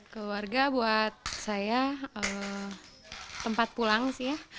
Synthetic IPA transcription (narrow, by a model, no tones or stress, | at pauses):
kəluarɡabuat̪̚sajaə | t̪ːəmpat̪̚pulaŋsija